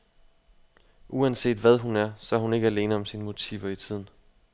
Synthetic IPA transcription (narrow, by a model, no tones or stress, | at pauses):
ʔuænse̝̰ːd̥ʋæð̞ˠɦunæɐsɒ̽æɐɦune̝ɡ̥əæle̝ːnəɒ̽msinəmo̝t͡sʰḭːʊɐit͡sʰið̞̰ˠn̩